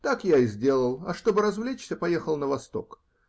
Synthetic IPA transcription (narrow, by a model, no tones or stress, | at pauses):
t̪akjaɪzʲdʲe̞lˠəlˠɐ̰ʂt̪o̞bɨɾɐzvlʲet͡ɕsʲəpɐjexəlˠnəvɐst̪o̞̰k